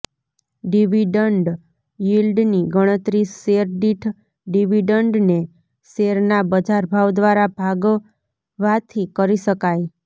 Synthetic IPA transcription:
ɖiʋiɖəɳɖ | jilɖniɡəɽ̃ət̪ɾiseɾɖiʈʰ | ɖiʋiɖəɳɖne | seɾnabəd͡ʒaɾbʱawd̪ʋaɾabʱaɡo | ʋat̪ʰikəɾiʃəkaj

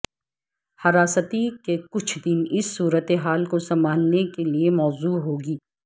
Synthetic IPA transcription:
hɐɾaːsət̪ikekʊt͡ʃʰd̪ɪnɪsːuːɾət̪eɦaːlkosɐmaːnːekeliemɔːzuːɦoːɡiː

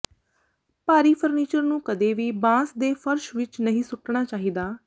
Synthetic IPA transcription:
paːɾiːpʰəɾniːt͡ʃəɾnũːkəd̪eːʋiːbãːsd̪eːpʰəɾʃʋɪt͡ʃnəɦĩːsʊʈɳaːt͡ʃaːɦiːd̪aː

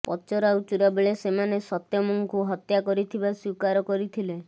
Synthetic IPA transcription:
pɔt͡ʃɔɾaut͡ʃuɾabeɭesemanesɔt̪jɔmɔŋkuɦɔt̪jakɔɾit̪ʰibaswikaɾɔkɔɾit̪ʰile

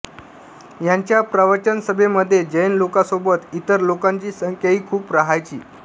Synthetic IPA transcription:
jaɲt͡ɕjapɾaʋəɾt͡ɕənsəbʱeməd̪ʱːjed͡ʑəjnlokasobət̪it̪əɾlokaɲt͡ɕiːsəŋkʰjəiːkʰuːpɾaɦajt͡ɕḭː

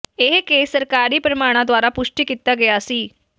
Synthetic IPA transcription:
eɦkesəɾkaɾiːpɾəmaɽ̃ad̪ʋaɾapuʂʈiːkit̪aɡeasiː

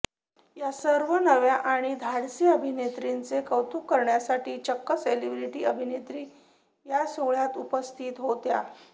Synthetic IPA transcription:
jasəɾʋənəʋjaʔaɽ̃id̪ʱaɽsiːəbʱinet̪ɾint͡sekəwt̪ukːəɾɳjasaʈiːt͡ɕəkːəselibɾiʈiːəbʱinet̪ɾiː | jasoɡɭjat̪upəst̪ʰiːt̪ɦot̪ja̰

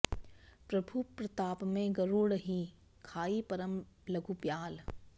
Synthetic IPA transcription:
pɾɐbʱupɾɐt̪aːpmẽɡɐɾoːɽɦi | kʰaːipɐɾəmlɐɡʱupjaːl

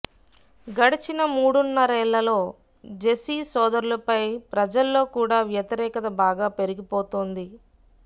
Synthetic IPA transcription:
ɡɐɽit͡ʃinɐmuːɽunːɐɾɛːɭːɐlo̞ː | d͡ʒesiːsɔːd̪ɐɾulɐpɐjpɾɐd͡ʒɐlːo̞ːkuːɽaːʋjɐt̪iɾɛːkɐt̪ɐbaːɡaːpe̞ɾuɡipoːt̪oːnd̪i

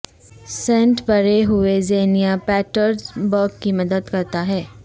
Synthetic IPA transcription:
sɛ̃ːɳʈbʱɐɾeɦʊezeːnijapɛːʈəɾzbɔːkkimɐd̪əd̪kɐɾt̪aɦɛː

